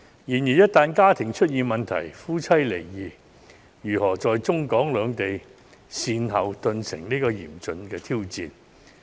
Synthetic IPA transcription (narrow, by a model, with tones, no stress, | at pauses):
jiː˨˩njiː˨˩jɐ˥t̚t̪aː˨˧nkaː˥t̪ʰɪ˨˩ŋt͡ʃʰɵ˥t̚jiː˨˧nmɐ˨nt̪ʰɐ̰˨˩jfuː˥t͡sʰɐ˥jle˨˩jːiː˨˩ | jyː˨˩hɔː˨˩t͡sɔː˨jt͡sʊ˥ŋkɔː˨˥ŋlœː˨˧ŋt̪e˨j | siː˧nɦɐ˨wt̪ɵ˧nsɪ̰˨˩ŋniː˥kɔː˧jḭː˨˩mt͡sɵ˨nkɛː˧t̪ʰiː˥wt͡siː˨˧n